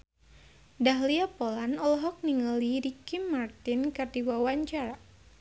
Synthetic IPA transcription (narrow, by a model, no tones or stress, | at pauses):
daɦliapɔlanɔlɔɦɔk̚niŋəliɾikimːart̪inkardiwawaɲt͡ʃaɾa